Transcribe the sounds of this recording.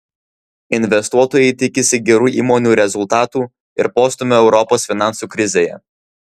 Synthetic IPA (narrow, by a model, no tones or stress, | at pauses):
ɪnʲʋʲɛst̪uɔt̪oːjɛɪt̪ʲɪkʲɪsʲɪɡʲɛɾuːʔḭːmoːnʲuːɾʲɛzʊlˠt̪ɑːt̪uː | ɪ̰ɾpoːst̪ʊmʲoːɛʊɾɔpoːsfʲɪnɑˑnsuːkɾʲɪzʲeːjɛ̰